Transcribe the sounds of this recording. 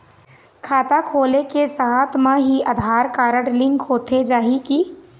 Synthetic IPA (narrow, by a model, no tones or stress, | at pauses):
kʰaːt̪akʰoːlekesaːt̪ʰmãɦiʔɐd̪ʱaːɾkaːɾəʈlɪ̃ŋkɦoːt̪ʰed͡ʒaːɦiki